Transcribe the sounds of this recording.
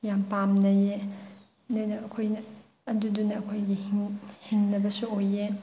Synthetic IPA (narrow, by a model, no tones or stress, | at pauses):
jampamnɐje | nojnɐɐkʰojnɐ | ɐdudunɐːkʰojɡihiŋnɐbɐsuoje